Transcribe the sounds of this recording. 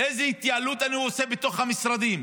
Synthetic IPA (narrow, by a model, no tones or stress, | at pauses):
ʔejzeit̪jaalut̪aniosebet̪o̞χhamisɾad̪im